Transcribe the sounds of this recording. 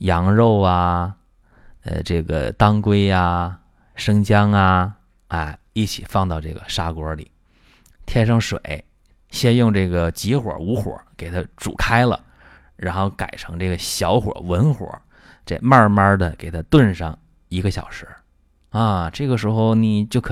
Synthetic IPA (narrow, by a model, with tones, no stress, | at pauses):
jɑ˧˥ŋɻo˥˩˧ʊɐ˨˩ | ə̰˧ʈ͡ʂɤ˥˩ɡə̰˩t̪ɑ˥ŋkwe˥ɪa˧ | ʂɤ˥ŋt͡ɕjɑ˥ŋɐ˧ | a˥˧ | i˥˩t͡ɕʰḭ˨˩fɑ˥˧ŋt̪ɑ˥˧ʊʈ͡ʂɤ˥˩ɡə˩ʂa˥kwɔ˧˥lḭ˨˩˦ | t̪ʰjɛ˥nʂɑ˥˩ŋʂwḛ˨˩˦ɪ | ɕjɛ˥njʊ˥˧ŋʈ͡ʂɤ˥˩ɡə˩t͡ɕi˧˥xwɔ̰˞˨˩˥u˧˥xwɔ̰˨˧˩ke˨˩ɪt̪ʰa˥ʈ͡ʂṵ˨˩kʰa˥ɪlə̰˨ | ɻa˧˥nxo˥˩ʊka˨˩ɪʈ͡ʂʰɤ˧˥ŋʈ͡ʂɤ˥˩ɡə˩ɕjɑ˧˥ʊxwɔ̰˨˩wə˧˥nxwɔ̰˨˩˦ | ʈ͡ʂe˥˧ma˞˥˧ma˥d̪ə˨ke˨˩ɪt̪ʰa˥t̪wə˥˧nʂɑ˥˩ŋ | i˧˥ɡə˧ɕjɑ̰˨˩ʊʂɻ̩˧˥ | ɐ˥˩ʈ͡ʂɤ˥˩ɡə˩ʂɻ̩˧˥xo˥˧ʊni˨˩t͡ɕjo˥˩ʊkʰ